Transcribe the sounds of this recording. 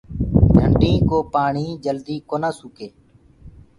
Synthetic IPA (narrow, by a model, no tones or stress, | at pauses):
d͡ʒʱəɳɖĩːkoːpaːɳiːd͡ʒəld̪iːkoːnaːsukeː